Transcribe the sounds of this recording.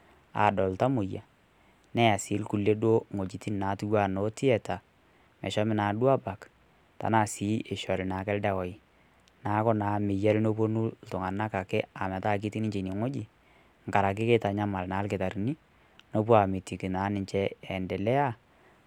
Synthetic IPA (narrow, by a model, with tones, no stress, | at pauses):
a̰˨dɔ˨lta˦mʊ˨ja̰˨ | nɛ˦ja˨sɪ˨˦lku˨lːe˦dwo˦ŋo˨d͡ʒi˨ti˦n˨na˨˦tu˦wa˦˨no˨˦ti˦ɛ˨ta˨ | mɛ̰˨ʃɔ˦mɪ˦naː˨dwa˦ba˨k | ta̰˨na˨si˨˦ʔe˨ʃɔ˨ɾɪ˨na˨˦kɛ˦ldɛ˨wɔ˨i˨ | na˨˦kɔ˦na˨mɪ˨jɛ˦lno˦p̬o˦nu˦ltʊ˨ŋa˨na˦ka˨kɛ˦a˨mɛ˨ta˦˨k̬i˦ti˦nɪ˦ɲt͡ʃe˨ni˨ŋo˦d͡ʒi˨ | ŋ̩˨ka˨ɾa˨k̬ɪ˦ke˦ta˨ɲa˦ma˨lna˨˦lkɪ˨ta˨ɾi˨ni˦ | no˦p̬u˦a˨mɪ˨ti˨ki˨naː˨˦nɪ˨ɲt͡ʃɛ˦ɛ˨ndɛ˨lɛ˦a˦